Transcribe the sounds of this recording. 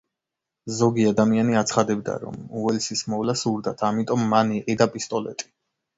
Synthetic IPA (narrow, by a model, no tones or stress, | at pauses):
zɔɡiad̪amianiat̪sʰχad̪ɛbd̪a̰ɾɔ̰muɛlsismɔvlasuɾd̪at̪ʰamit̪ʼɔmːaniqʼid̪apʼist̪ʼɔlɛ̰t̪ʼi̥